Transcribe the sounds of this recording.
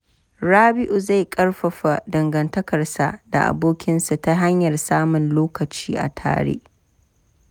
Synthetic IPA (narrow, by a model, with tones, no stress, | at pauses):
ɾaː˦bɪ˦ʔu˨za˦˨jkʼɐ˦rɸɐ˨ɸa˨dɐ˨ŋɡɐ˨ntɐ˦kɐ˨rsa̰˨ʔda̰˨ʔa̰˨boː˦kʲɪ˦nsa˨ta˦ɦa˦ɲjɐ˨rsaː˦mʊ˨nloː˦kɐ˨t͡ʃiː˦ʔa̰˨tʰa̰ː˦ɽḛː˦ʔ